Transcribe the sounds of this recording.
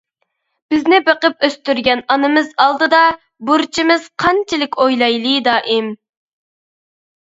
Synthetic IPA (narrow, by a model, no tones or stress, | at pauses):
b̥ɪznɪbeqəp̚øst̪yɾɡʲɛnɑnɨmɨzɑlˠd̪ɨd̪ɑ | buɾt͡ʃʰimɪz̥qʰɑnt͡ʃʰɪlɪkʲʰojlˠɑjlˠɨd̪ɑːʔɪm